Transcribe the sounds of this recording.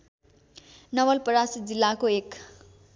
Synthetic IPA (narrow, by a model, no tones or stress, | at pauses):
nʌwʌlpʌɾasit̪̚d͡zilːakoek